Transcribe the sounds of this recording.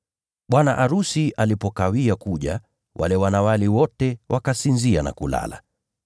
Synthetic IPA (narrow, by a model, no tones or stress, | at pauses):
ɓwanaʔaɾusiʔalipɔkawiakuʄa̰ | wʔa̰lɛwanawaliwɔtɛwʔakasinziana̰kula̰la̰